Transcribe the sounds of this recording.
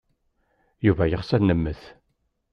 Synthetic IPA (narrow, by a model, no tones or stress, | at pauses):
juvæjəχsæɾnəmːəθ